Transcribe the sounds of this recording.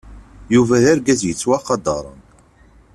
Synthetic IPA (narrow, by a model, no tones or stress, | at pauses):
juvæðæɾɡæzjət͡sːwaqɑd̪ɑɾˤə̰n